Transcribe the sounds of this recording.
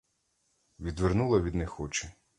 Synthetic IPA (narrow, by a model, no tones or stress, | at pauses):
ʋʲid̪ʋernulˠɐʋʲid̪nɛxɔt͡ʃɪ